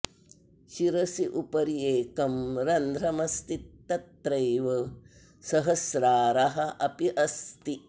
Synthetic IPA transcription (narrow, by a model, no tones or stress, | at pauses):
ʃiɾɐsiʔupɐɾijeːkɐmɾɐnd̪ʱɾɐmɐst̪it̪ːɐt̪ɾɐjʋɐ | sɐɦɐsɾaːɾɐɦɐʔɐpiʔɐst̪i